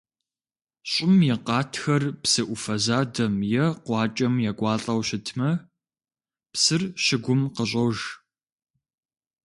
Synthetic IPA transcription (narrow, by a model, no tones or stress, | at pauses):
ɕʼɪmjɛqɑːtʰxɐrpsɨʔʷʊfɐzaːdɐmjɛqʷɑːt͡ʃʼɐmjaɡʷɑːɬʼɐwɕɪtʰmɐ | psɨrɕɪɡʷʊmqəɕ̬ʼowʒ